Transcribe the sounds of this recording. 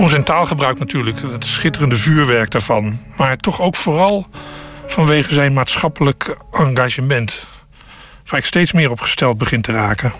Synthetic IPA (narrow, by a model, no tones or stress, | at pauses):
ɔnzɛntaːlˠχəbrœɥknatʰyːɹləkətsχɪtərəndəvyːɹʋɛɹk̚daːɹvɑnmaːɹtɔχowkfoːrɑlˠv̥ɑnʋejχəzɛjnmaːtsχɑpələkɑŋɡaːʒəmɛnt | faːɪkstejtsmɪːɹɔpχə̥stɛlˠt̚bəχɪntəraːkə